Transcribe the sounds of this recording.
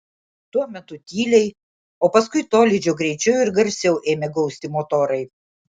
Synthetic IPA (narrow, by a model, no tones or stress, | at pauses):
t̪uɔmʲɛt̪ʊt̪ʲiːlʲɛɪ | oːpɐskʊɪt̪oːlʲɪd͡ʒʲoːɡɾʲɛɪt͡ʃʲɛʊjʊɪɾɡɐɾʲsʲɛʊʔeːmʲeɡɐʊsʲt̪ʲɪmot̪oːɾɐɪ